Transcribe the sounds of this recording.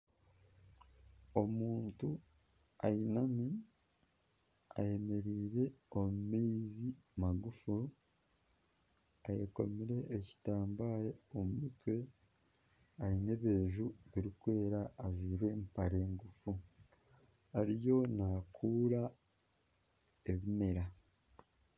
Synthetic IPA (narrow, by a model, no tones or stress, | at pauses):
o̞muːntu | a̰jinami | a̰je̞me̞ɾiːɾe̞o̞mumiːzimaɡufu | ajeko̞̰miɾe̞ːci̥taːmbaːɾeomumitwe̞ | aɾine̞βe̞ːʒuβiɾikwe̞ːɾaːviːɾe̞mpaɾe̞ːŋɡufu | aɾijo̞naːkʰuːɾa | eβime̞ɾa